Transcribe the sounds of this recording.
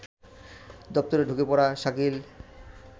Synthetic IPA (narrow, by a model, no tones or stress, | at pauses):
d̪ɔp̚t̪oɾeɖʱukepɔɾaʃakil